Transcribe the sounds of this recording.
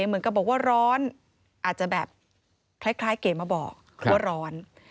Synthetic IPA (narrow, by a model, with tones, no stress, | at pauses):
e˧˦mɯ˨˦nka˨˩bɔː˨˩k̚waː˥˩ɾɔː˦˥n | ʔaː˨˩t̪̚t͡ɕa˨˩bɛː˨˩p̚ | kʰlaː˦˥˩jkʰlaː˦˥jkeː˨˩maː˧˩bɔː˨˩k̚ | u˦˥˩ɾɔː˦˥n